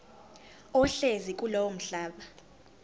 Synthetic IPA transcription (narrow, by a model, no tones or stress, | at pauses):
ɔɬezik̬ʼulɔwom̩ɬaːɓa